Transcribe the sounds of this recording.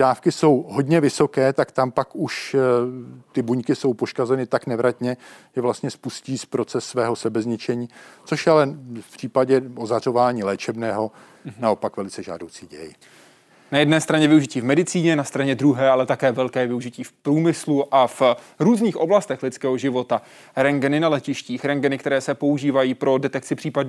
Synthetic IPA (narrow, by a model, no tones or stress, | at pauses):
daːfkɪso̞wɦo̞dɲɛvɪso̞kɛːt̪akt̪ampakuʃ | t̪ɪbuɲkɪso̞wpo̞ʃkazɛnɪt̪aknɛvɾat̪ɲɛʒ̥ɛvlast̪ɲɛspusciːspɾo̞t͡sɛsːvɛːɦo̞sɛbɛzɲɪt͡ʃɛɲiːt͡so̞ʃjɛalɛfpr̝̥iːpaɟɛozar̝o̞vaːɲiːlɛːt͡ʃɛbnɛːɦo̞ | nao̞pakvɛlɪt͡sɛʒa̰ːdowt͡siːɟɛ̰jɪ̰ | najɛdnɛːst̪ɾaɲɛvɪuʒɪciːvmɛdɪt͡siːɲɛnast̪ɾaɲɛd̪ɾuɦɛːalɛt̪akɛːvɛlkɛːvɪuʒɪciːfpɾuːmɪsluʔaf | ɾuːzniːxʔo̞blast̪ɛxlɪt͡skɛːɦo̞ʒɪvo̞t̪a | ɾɛŋɡɛnɪnalɛcɪʃciːxɾɛŋɡɛnɪkt̪ɛɾɛːsɛpo̞uʒiːvajiːpɾo̞dɛt̪ɛk̚t͡sɪpr̥iːpadɲ